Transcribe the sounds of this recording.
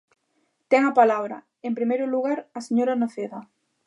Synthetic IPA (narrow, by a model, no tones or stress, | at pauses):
t̪eŋapalaβɾa̰ | empɾimejɾoluɣaɾaseɲoɾanoθeða